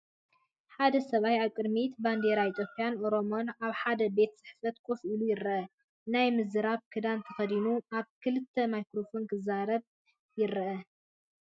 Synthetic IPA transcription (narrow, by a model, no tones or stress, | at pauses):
ħad̪ɐsɐβajaβkʼɨd̪mit̪band̪eɾait̪ʰʼjo̞pʼijanʔo̞ɾo̞mo̞naβħad̪ɐbe̞t̪sɨ̥ħfɐt̪kʰofʔulujɪɾɐʔɐ | najmɨzɨɾaβkʰɨd̪ant̪ʰɐxɐd̪inuaβkʰɨlɨt̪ʰːɐmajkɾofo̞nkʰɨzaɾɐβ | jɪɾɐʔɐ